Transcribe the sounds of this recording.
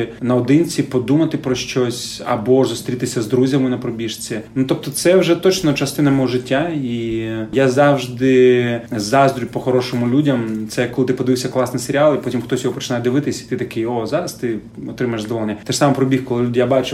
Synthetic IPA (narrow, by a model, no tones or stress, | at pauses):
nɐɔd̪ɪnʲt͡sʲipɔd̪umɐt̪ɪpɾɔʃt͡ʃɔsʲɐ̰bɔzʊst̪ɾʲit̪ɪsʲɐzd̪ɾuzʲɐmɪnɐpɾɔbʲiʂt͡sʲinut̪ɔp̚t̪ɔt̪sɛwʒɛt̪ɔt͡ʃnɔt͡ʃɐst̪ɪnɐmɔɔʒɪtʲːaijazɑwʒd̪ɪzɑzd̪ɾʲʊjʲpɔxɔɾɔʃɔmʊlʲudʲɐmt̪sɛkːɔlˠɪt̪ɪpɔd̪ɪʋɪwsʲɐklˠɑsniseɾʲɪɑlˠipɔtʲimxt̪ɔsʲjɔɦɔpɔ̥t͡ʃɪnajd̪ɪʋɪt̪ɪsʲi̥t̪ɪt̪ɐkɪjɔzɑɾɐst̪ɪɔt̪ɾɪmɐjʒzd̪ɔʋɔlˠenʲːɐɐt̪ɛʃsɑmɐpɾɔbʲixkɔlˠɪlʲudʲijabɑt͡ʃʊ